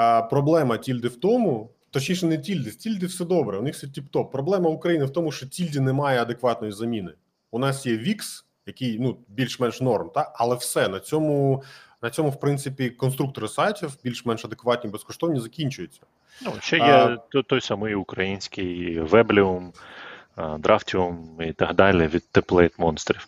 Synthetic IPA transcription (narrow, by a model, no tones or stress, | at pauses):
pɾɔblˠɛmɐtʲilʲd̪ɪwt̪ɔmʊ | t̪ɔt͡ʃnʲiʃnɛnɛtʲilʲd̪ɪtʲilʲd̪ɪwsɛd̪ɔbɾɛunɪxfsɛtʲipt̪ɔpːɾɔblˠɛmɐʊkɾɐjinɪwt̪ɔmʊʃt͡ʃɔtʲilʲdʲinɛmɑjɛɐd̪ekʋɑt̪nɔjizɐmʲinɪ | ʊnɑsjɛʋʲiks | jɐkɪjnubʲilʲʃmɛnʃnɔrmt̪ɑɐlˠɛwsɛnɐt͡sʲɔmʊnɐt͡sʲɔmʊwpɾɪnsɪpʲikɔnst̪ɾuk̚t̪ɔɾɪsɑjtʲiwbʲilʲʃmɛnʃɐd̪ekʋɑt̚ʲnʲibeskɔʃt̪ɔwnʲizɐkʲinʲt͡ʃʊjɛt͡sʲːɐ̥ | nuʃt͡ʃɛjɛt̪ɔt̪ɔjsɑmɔjʊkɾɐjinʲsʲkɪjʋɛblʲɪʊm | d̪ɾɑftʲɪɔmit̪ɐɦd̪ɑlʲɪʋʲid̪̚t̪ːeplˠɛt̪mɔnst̪ɾʲif